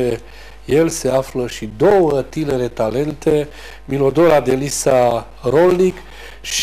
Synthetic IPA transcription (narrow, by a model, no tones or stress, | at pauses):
e | je̞lse̞afləʃid̪o̞wət̪ine̞ɾe̞t̪ale̞nt̪e̞ | milod̪oɾad̪e̞lisa | ɾo̞lnik | ʃ